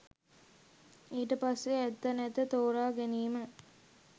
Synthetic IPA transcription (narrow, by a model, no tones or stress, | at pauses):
iːʈəpasːeæt̪ːɐnæt̪ət̪oːɾaːɡeniːmə